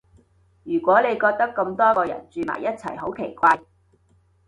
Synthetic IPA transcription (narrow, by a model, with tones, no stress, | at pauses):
jyː˨˩kʷɔː˨˥ne˨˧jkɔː˧k̚t̪ɐ˥kːɐ˧mt̪ɔː˥kɔː˧jɐ̰˨˩nt͡ʃyː˧ma̰ː˨˩jɐ˥t̚t͡sʰɐ̰˨˩jho˨˥wkʰe˨˩jkʷaː˧j